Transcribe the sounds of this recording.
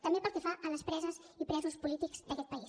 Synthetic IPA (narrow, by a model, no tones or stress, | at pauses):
t̪əmbepəlˠkɛfaʔələspɾɛzəz | ipɾɛzuspulit̪ikz̥d̪əkɛt̪̚pəis